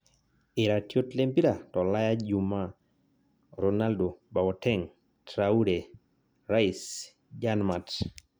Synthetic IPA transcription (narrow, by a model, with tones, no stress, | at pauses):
ɪ˨ɾa˨tjo˦tle˦mpi˦ɾa˨tɔ˨la˦ja˦d͡ʒuma | ɾɔnaldo˨ba˨wɔtɛŋ | tɾauɾe | ɾa˦is | d͡ʒanmat